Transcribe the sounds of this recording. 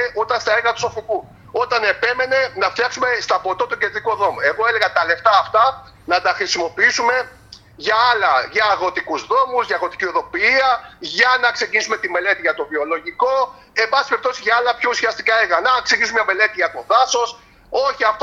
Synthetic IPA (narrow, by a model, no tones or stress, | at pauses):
eʔut̪ɐnst̪ɐeɾɣɐt̪u̥so̞fiku | o̞t̪ɐne̞pe̞me̞ne̞nɐft̪jɐksume̞st̪ɐpo̞t̪ot̪uced̪ɾikuðo̞moe̞ɣo̞ele̞ɣɐt̪ɐle̞ft̪ɐːft̪ɐ | nɐt̪ɐxɾisimo̞piisume̞ | ʝɐɐlɐʝɐːɣo̞t̪ikuzðo̞muzʝɐːɣo̞t̪i̥cioðo̞piiɐʝɐnɐkse̞cinisume̞t̪ime̞le̞t̪iʝɐt̪o̞vio̞lo̞ʝiko̞ | e̞mbɐsispeɾp̚t̪osizʝɐɐlɐpço̞usiɐst̪i̥kɐeɾɣɐnɐksecisumɐme̞le̞t̪iʝɐt̪o̞θɐso̞s | o̞çiɐft̪